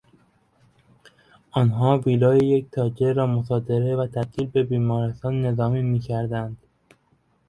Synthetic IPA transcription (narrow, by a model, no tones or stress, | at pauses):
ʔɒːnɦɒːviːlɒːjeje̞ct̪ʰɒːd͡ʒeɾɒːmosɒːd̪e̞ɾe̞væt̪ʰæbt̪ʰiːlbe̞biːmɒːɾest̪ɒːnːe̞zɒːmiːmiːcʰæɾd̪ænd̪̥